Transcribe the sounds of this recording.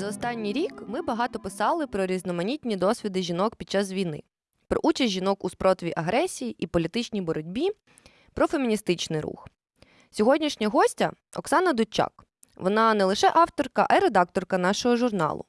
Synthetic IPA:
zɐɔst̪ɑnʲːijɾʲikmɪbɐɦɑt̪ɔpɪsɑlˠɪpɾɔɾʲiznɔmɐnʲit̪ʲnʲid̪ɔsʲʋʲid̪ɪʒʲinɔkpʲid̪̚t͡ʃːɑsʋʲijnɪ̰ | pɾɔ̰ʔut͡ʃɐsʲtʲʒinɔkuspɾɔt̪ʋʲiʔɐɦɾɛsʲijiʔipɔlʲit̪ɪt͡ʃnʲibɔɾɔdʲbʲi | pɾɔfemʲinʲist̪ɪt͡ʃnɪjɾṵx | sʲɔɦɔdʲnʲiʃnʲɐɦɔsʲtʲɐ̰ | ɔ̰ksɑnɐd̪ʊt͡ʃːɑ̰k | ʋɔnɑnɛlˠɪʃɛʔɑwt̪ɔrkɐʔɐjiɾed̪ɑk̚t̪ɔrkɐn̪ɑʃɔɦɔʒʊrnɑ̰lˠʊ̰

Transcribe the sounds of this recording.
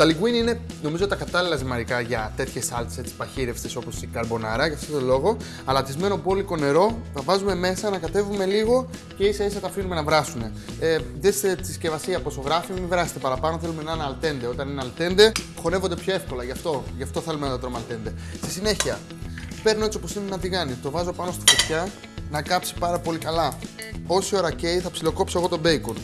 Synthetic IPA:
t̪ɐliɡwinine̞no̞mizot̪ɐkɐt̪ɐlilɐsimɐɾikɐʝɐt̪e̞t̪çe̞sɐlt̪e̥se̞t͡si̥pɐçiɾefst̪eso̞po̞sikɐɾbo̞nɐɾɐʝɐft̪ot̪olo̞ɣo̞ | ɐlɐt̪izme̞nopoliko̞ne̞ɾo̞nɐvɐzume̞me̞sɐnɐkɐt̪e̞vume̞liɣo̞ | ce̞isɐisɐt̪ɐːfinume̞nɐvɾɐsune̞ | ðeset͡sisce̞vɐsiɐposo̞ɣɾɐfimimivɾɐset̪epɐɾɐpɐno̞θe̞lume̞nɐnɐlt̪e̞nd̪e̞o̞t̪ɐnineɐlt̪e̞nd̪e̞ | xo̞ne̞vo̞nd̪epço̞e̞fko̞lɐʝɐft̪o̞ʝɐft̪o̞θe̞lumenɐt̪ɐt̪ɾomɐlt̪e̞nd̪e̞st̪isine̞çiɐ | pe̞ɾno̞et͡sio̞po̞sinenɐt̪̬iɣɐnit̪o̞vɐzo̞pɐno̞st̪i̥fot̪çɐ | nɐkɐpsi̥pɐɾɐpo̞likɐlɐ | o̞sio̞ɾɐceiθɐpsilo̞ko̞psoeɣo̞t̪o̞be̞ikon

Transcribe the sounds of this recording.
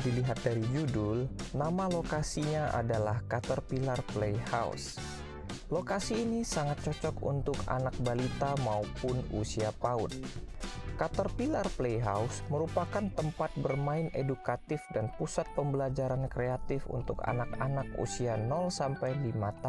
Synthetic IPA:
diliɦat̪̚daɾid͡ʒudʊlnamalokasiɲaʔa̰dalahkat̪ɔrpilarplejha̰ṵs | lokasiːnisaŋat̪̚t͡ʃɔt͡ʃɔkṵnt̪ʊka̰nak̚balit̪amaupʊnusiapaʊ̰t̪̚ | kat̪ɔrpilarplejɦausməɾupakant̪əmpat̪̚bərmaɪnedukat̪ɪfdanpusat̪̚pəmbəlad͡ʒaɾankɾeat̪ɪfṵnt̪ʊka̰nakanakṵsianɔlsampajdimat̪a

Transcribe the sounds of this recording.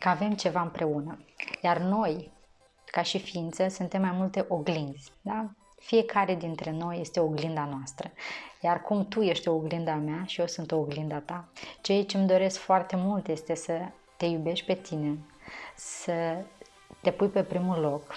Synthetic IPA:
kəave̞mt͡ʃe̞vaɨmpɾʔe̞unəjarno̞j | kaʃifiint̪səsunt̪e̞mːajmult̪e̞ʔo̞ɡlind̪zʲd̪a | fije̞kaɾe̞d̪int̪ɾe̞no̞je̞st̪eoɡlind̪anoast̪ɾəjarkumt̪uje̞ʃt̪ʲooɡlind̪ameaʃijo̞sunt̪o̞ːɡlind̪at̪at͡ʃejt͡ʃemd̪o̞ɾe̞skfoart̪e̞mult̪je̞st̪e̞sə | t̪e̞jube̞ʃʲpe̞t̪ʰine̞ | sə | t̪e̞pujpe̞pɾimulo̞k

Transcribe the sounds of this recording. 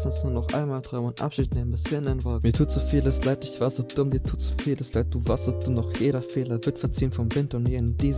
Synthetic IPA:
sɔnsnuːɐnɔχʔa̰ɪnmaːltʰʁ̥aʊmʊntʔa̰pʃiːltnaɪmbɪsɪnanvɔlmiːɐtʰuːtz̥ofiːləslaɪt̚d̥ɪçv̥aːɐz̥oːd̥ʊmdiːɐtʰuːtz̥u̥fiːləslaɪt̚d̥uːvaɐstz̥oːd̥ʊmnɔχjeːɾɐfeːlɐvɪɐtfɛɐt͡siːnfɔmvɪntɐʊntmiːɐɪnd̥iːz

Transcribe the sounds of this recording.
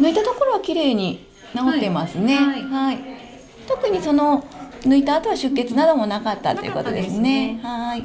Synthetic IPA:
nɯ̟it̪at̪o̞ko̞ɾo̞βakʲiɾe̞ːɲ̟i | naot̪ːe̞masɨne̞hai | t̪o̞kɯ̟ɲ̟iso̞no̞nɯ̟it̪aːt̪oβaɕɨkːe̞t͡sɨnad̪omo̞nakat̪ːa̰t̪ːo̞jiɯ̰ko̞t̪o̞̰d̪e̞sɨne̞hai

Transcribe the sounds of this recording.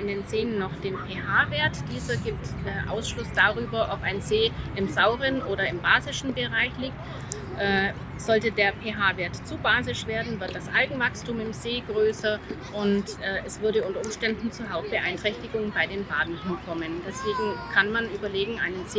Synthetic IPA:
ʔɪndeːnzeːənːɔχd̥eːnpʰeːɦaːveːɐtd̥iːzɐɡiːp̚tɛːʔa̰ʊsʃlʊsd̥aːʁyːbɐʔɔpaɪnzeːɪmzaʊʁənʔoːɾɐɪmbaːzɪʃn̩bəʁaɪçliːk̚t | ʔɛː | z̥ɔltədeːɐpʰeːɦaːveːɐtt͡suːbaːzɪʃv̥eːɐdn̩vɪɐt̚d̥asʔa̰lɡŋ̩vakstuːmɪmzeːɡʁøːsɐʔʊntʔɛːɛsv̥ʏɐɾəʊntɐʊmʃtɛndn̩t͡suːɦaʊp̚t̚b̥əʔaɪntʁ̥ɛçtɪɡʊŋbaɪdeːnbaːdn̩ɦɪnkʰɔmənd̥ɛsv̥eːɡŋ̩kʰanmanʔyːbɐleːɡŋ̩ʔaɪnənz

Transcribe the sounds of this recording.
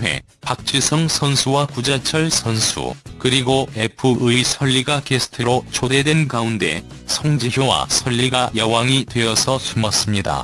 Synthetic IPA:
ɦwe̞̰ | pak̚t͡ɕ͈isʰʌŋsʰʌnsʰuwakud͡ʑat͡ɕʰʌɭsʰʌnsʰṵkɯɾiɡoe̞pʰɯʔɯisʰʌʎːiɡakesʰɯ̥tʰɯɾot͡ɕode̞dwe̞nkaunde̞̰ | sʰʌŋd͡ʑiçjowa̰sʰʌʎːiɡajʌwaŋitwe̞ʌsʰʌsʰumʌs͈ɯmɲida̰

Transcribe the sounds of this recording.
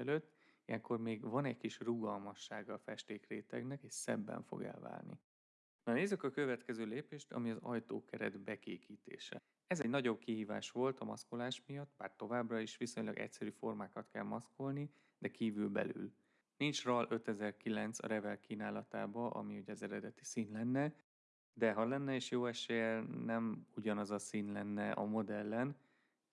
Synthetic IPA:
ɛløːt̪ː | ijɛŋko̞rmeːɡvɒnɛɟkiʃruɡɒlmɒʃːaːɡɒːfɛʃt̪eːkreːt̪ɛɡnɛkeːʃsɛ̰bːɛ̰ɱfo̞̰ɡɛ̰lva̰ːrnḭ | nɒneːzːykɒkøvɛt̪kɛzøːleːpeːʃt̪ɒ̰miɒzɒjt̪o̰ːkɛɾɛ̰d̪bɛkeːkiːt̪ḛːʃɛ̰ | ɛzɛɟnɒɟo̞b̚kiɦiːva̰ːʃʋo̞lt̪ɒmɒ̰sko̞laːʃmijɒt̪ːbaːrt̪o̞vaːbrɒiʃʋiso̞ɲlɒɡɛ̰csɛɾyːfo̞rmaːkɒt̪kɛlmɒsko̞lni | d̪ɛkiːvylbɛ̰ly̰l | nint͡ʃrɒlʔø̞t̪ɛzɛrkilɛnt̪sɒ̰ɾɛvɛlkiːnaːlɒt̪a̰ːbɒʔɒ̰miuɟɒzɛɾɛd̪ɛt̪i̥siːnlɛnːɛ | d̪ɛɦɒlɛnːɛeːʃjoːɛʃeːjɛnɛmuɟɒnɒzɒsiːnlɛnːɛʔɒ̰mo̞d̪ɛlːɛn

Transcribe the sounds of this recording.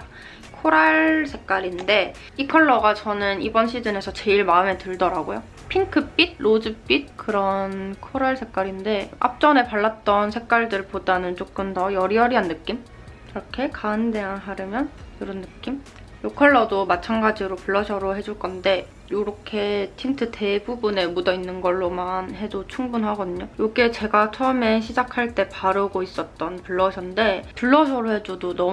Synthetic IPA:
kʰoɾaɭsʰe̞k͈aɾinde̞ | ikʰʌɭːʌɡat͡ɕʌnɯnibʌnɕʰid͡ʑɯne̞sʰʌt͡ɕe̞iɭmaɯme̞tɯɭdʌɾaɡojo | pʰiŋkʰɯp͈id̚lod͡ʑɯp͈it̚kɯɾʌnkʰoɾaɭsʰe̞k̚k͈aɾinde̞a̰p̚t͡ɕ͈ʌne̞paɭːat̚t͈ʌnsʰe̞k͈waɭdɯɭpodanɯnt͡ɕ͈ok͈ɯmtʌjʌɾiʌɾiɦanːɯk͈im | iɾʌkʰe̞kaɯnde̞anɦaɾɯmjʌnkɯɾʌnːɯk͈im | jokʰʌɭːʌdomat͡ɕʰanɡad͡ʑiɾopuɭːʌɕʰʌɾoɦe̞d͡ʑuɭk͈ʌnde̞ | joɾʌkʰe̞tʰiŋtʰɯtʰe̞bubune̞mudʌinːɯnɡʌɭːomanhe̞d͡ʑot͡ɕʰuŋbunɦaɡʌdɯɲojoɡe̞t͡ɕe̞ɡat͡ɕʰʌɯme̞ɕ̬ʰid͡ʑakʰaɭt͈e̞paɾɯɡois͈ʌt̚t͈ʌnpuɭːʌɕʰʌnde̞puɭːʌɕ̬ʰʌɾoɦe̞d͡ʑodonʌ

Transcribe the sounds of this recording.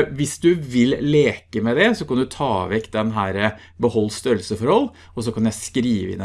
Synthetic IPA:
ʋɪsd̪ʉʋɪlleːkəmɛd̪ɛsɔkʰɑnd̪ʉt̪ʰɑːʋɛkt̪̚d̪ɛnɦæːɾə | bəhɔlːst̪œɾlsəfɔɾhɔlː | ɔs̬ɔkʰɑnjæɪskɾiːʋəɪ̰n

